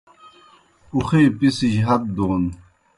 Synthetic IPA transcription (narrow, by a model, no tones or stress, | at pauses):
uxeːpisiʑɦɐt̪̚d̪uːn